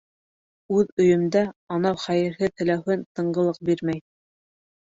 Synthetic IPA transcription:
ʉðɵ̆jɵ̆md̪æɑnɑwχæjɘ̆ɾɦɘt̪ɘ̆læwhɘnt̪ɤ̆ɴɢɤ̆lˠɤq̚biɾmæj

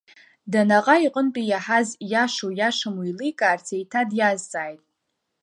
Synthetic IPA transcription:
danaqʼaiqʼənt͡pʼijaħazjaʂojaʂɨmujlijkʼaːrt͡sʰejtʰadjazt͡sʼaːjtʼ

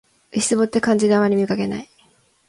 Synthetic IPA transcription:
ɯi̥sɨbo̞t̪ːe̞kãɲ̟d͡ʑid̪eamːaɾʲimʲikake̞na̰i

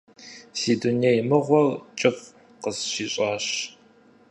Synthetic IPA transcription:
siːdunejmɨʁʷɔrt͡ʃʼɪf | qəzʃiːɕʼɑːɕ

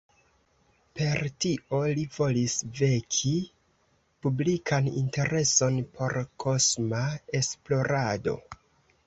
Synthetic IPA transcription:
pe̞ɾtiʔo̞livo̞lisve̞kʰi | publikʰanḭnte̞ɾe̞so̞npʰo̞ɾkʰo̞smae̞splo̞ɾado̞̰

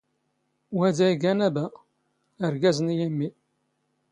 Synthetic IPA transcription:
wæd̪æiɡænæbæ | əɾɡæzənjəmːi

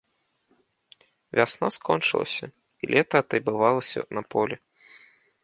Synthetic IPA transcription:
vʲasnɔskʰɔnt͡ʂɨ̰lˠɐ̰sʲɐ | ilʲʔɛt̪ɐːt̪ɐjbɨvalˠɐsʲɐ̰nɐpɔlʲɛ

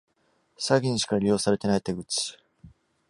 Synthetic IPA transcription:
saɡʲĩɲɕi̥kaɾʲijo̞ːsaɾe̞t̪e̞nait̪e̞ɡɯ̟t͡sɨ̥

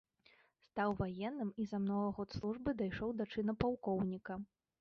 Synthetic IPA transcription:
st̪awvajɛnːɨmizɐmnɔvɐɣɔt̪slˠuʐbɨd̪ajʂɔwd̪at͡ʂɨnɐpawkɔwnʲikɐ

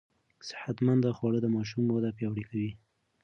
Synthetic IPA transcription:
sɪ̥hat̪mand̪əxwɑɽəd̪əmɑʃ̬umːod̪apjɑwɽikawi

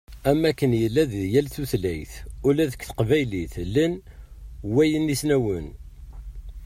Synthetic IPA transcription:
æmːækːənjəlːæðjælθuθlæjθʊlæðəkθə̥qvæjliθlən | wæjənisnæwən

